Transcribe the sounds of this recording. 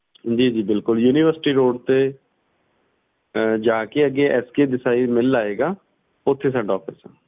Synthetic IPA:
d͡ʒiːd͡ʒiːbɪlkʊljuːniːʋəɾsɪ̥ʈiːɾoːɖt̪eː | d͡ʒaːkeəɡːeːʔɛːskeːd̪ɪsaːiːmɪlːaːeːɡaː | ʊt̪ʰːeːsɛ̃ɳɖɔːpʰɪsãː

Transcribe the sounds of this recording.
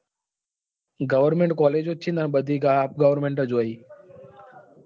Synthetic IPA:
ɡəʋəɾmẽɳʈkɔːleːd͡ʒot͡ʃʰĩːnd̪aːnɓəd̪ʱiːkap̚ɡəʋəɾmẽːɳʈəd͡ʒoːəiː

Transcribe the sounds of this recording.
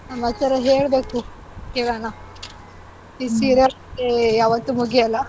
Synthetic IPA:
nɐmɐt̪ːɐɾɐɦeːɭbeːku | keːɭana | isiːɾɐ | ejaːʋɐt̪ːumuɡijɐlːɐ

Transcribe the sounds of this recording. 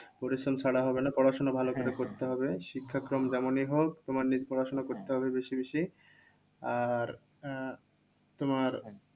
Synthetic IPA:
poɾisɾomt͡ɕʰaɽaɦɔbenapɾɔɽaʃonabʱalokoɾekoɾt̪eɦɔbeʃikʰːakɾomd͡ʑɛmoniɦok̚t̪omaɾnid͡ʑpɾɔɾaʃonakoɾt̪eɦɔbebeʃibeʃi | aɾ | t̪omaɾ

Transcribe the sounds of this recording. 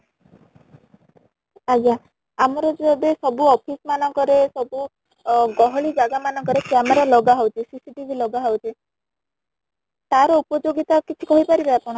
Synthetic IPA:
aɡja | amɔɾɔd͡ʒɔd̪esɔbuɔpʰismanɔŋkɔɾesɔbu | ɡɔɦɔɭid͡ʒaɡamanɔŋkɔɾekjameɾalɔɡaɦɔwt͡ʃʰisisiʈibʱilɔɡaɦɔwt͡ʃʰi | t̪aɾɔupɔd͡ʒoɡit̪akit͡ʃʰi̥kɔɦipaɾibeapɔɽ̃ɔ

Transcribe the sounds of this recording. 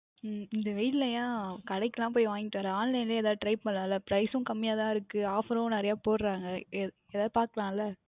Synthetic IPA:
ɪnd̪ɐʋɐɪʈɪlɐjaːkɐɽɐɪkːɐlãːp̬oːjʋaːŋɡɪʈːaːɾaːnlɐɪnleːɛːðaːʈɾɐɪpːɐnːaːlːɐpɾɐɪsʊ̃kɐmːɪjaːt̪ãːɪɾɯkːɯaːfɐɾõːnɪɾɐjaːpoːɾɾaːŋɡɐɛ | ɛðaːðɯpaːɾkɐɾãːɪlːɐ

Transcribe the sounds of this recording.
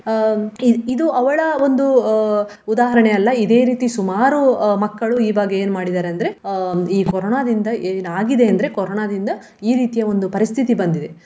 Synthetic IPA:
iid̪uɐʋɐɭɐo̞nd̪u | ud̪aːɦɐɾɐɳeɐlːɐid̪e̞ːɾiːt̪isumaːɾumɐkːɐɭuiːbaːɡeeːnmaːɽid̪aːɾeɐnd̪ɐɾe̞iːkɔɾoːnaːd̪ind̪ɐʔeːnaːɡid̪e̞ɐnd̪ɐɾe̞koɾoɳaːd̪ind̪ɐ | iːɾiːt̪ijɐo̞nd̪upɐɾist̪ʰit̪ibɐnd̪id̪e

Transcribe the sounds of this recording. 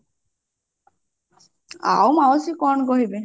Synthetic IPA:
a̰wmaɔsikɔnkɔɦibe

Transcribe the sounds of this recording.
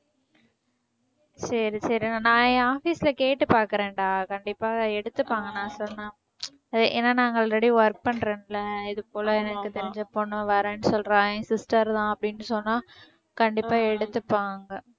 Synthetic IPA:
sɐɾisɐɾinãːnãːaːfiːsɪlɐkeːʈːɯpaːɾkɯɾẽːɳɖaːkɐɳɖɪpːaːɛɽɯt̪ːɯpːaːŋɡɐnãːsɔnːãː | ɐðɯʔḛːnːaːnaːŋɡɐɭɾɛɽiʋɐɾk̚pɐɳɾeːnɪlːɐɪðɯpoːlɐɛnɐkːɯt̪ɛɾɪɲd͡ʒɐpːoːnːɯʋɐɾeːnsɔlɾaːsɪsʈɐɾt̪ãːɐpːɐɽɪnːɯsɔnːaː | kɐɳɖɪpːaːɛɽɯt̪ːɯpːaːŋɡɐ

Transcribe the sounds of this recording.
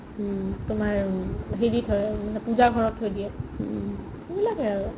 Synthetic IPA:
tʊmaɹɦeɹitʰɦɔjmanɛpuzaɡʱɔɹɔtʰɦojdijɛ | bilakɛaɔ

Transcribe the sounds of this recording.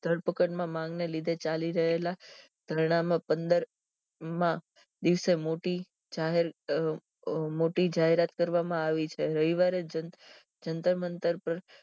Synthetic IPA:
d̪̥ʱəɽpəkəʈmãmãŋɡnelid̪ʱet͡ʃaliɾəɦela | d̪̥ʱəɾɳ̃amãpənd̪əɾ | mã | d̪iʋsemoʈi | d͡ʒaɦeɾ | moʈid͡ʒaɦeɾat̪kəɾʋamãaʋit͡ʃʰeɾəɦiʋaɾed͡ʒə | d͡ʒənt̪əmənt̪əɾpəɾ

